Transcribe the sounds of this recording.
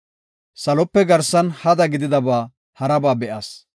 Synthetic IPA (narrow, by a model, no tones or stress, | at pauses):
sɐlɔpːɛɡɐɾsɐnhɐd̪ɐɡɪd̪ɪd̪ɐbaː | hɐɾɐbaːbɛʔɐs